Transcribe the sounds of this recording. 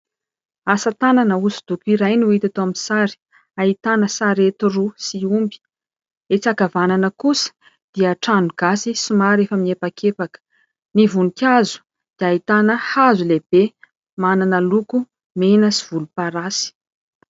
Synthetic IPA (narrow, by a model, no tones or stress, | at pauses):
asət̪ananəusu̥d̪̥ukuiɾajnuit̪at̪oaminsaɾi̥ | ait̪anəsaɾet̪urusiumbi̥ | et͡sakavananəkusə̥ | d̪̥iəʈ͡ʂanuɡ̥asisimaɾefəmiepakʰepakə̥ | nivunikʲazu̥ | d̪̥iaɦit̪anəhazuleb̥e | mananəluku | menəsiv̥ulupaɾasi̥